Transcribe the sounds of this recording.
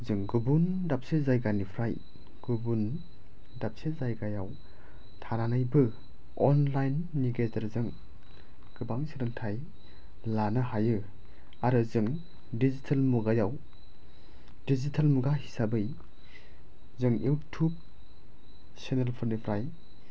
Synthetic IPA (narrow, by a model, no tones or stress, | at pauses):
zɯŋɡubundap̚sezajɡanipʰɾaj | ɡ̥ubun | dap̚sezajɡajaw | tʰananajbɯ | ɔnlajnːiɡetɐɾzɯŋ | ɡ̥ɯbaŋsiɾɯŋtʰaj | lanɯɦajɯ | aɾɯzɯŋ | dizitʰalmuɡajaw | dizitʰalmuɡahi̥sabɯj | zɯŋjʔuwtʰub̚ | senelpʰɯɾnipʰɾaj